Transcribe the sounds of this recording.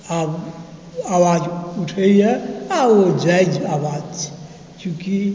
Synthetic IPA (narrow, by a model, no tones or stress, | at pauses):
ab | awad͡ʒuʈʰəɛabod͡ʒaid͡ʒawad͡ʒt͡ʃʰi̥ | t͡ʃũki